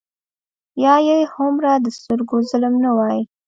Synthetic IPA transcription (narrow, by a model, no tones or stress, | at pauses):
jɑjejhomɾad̪əst̪ʊɾɡozʊlmnawɑji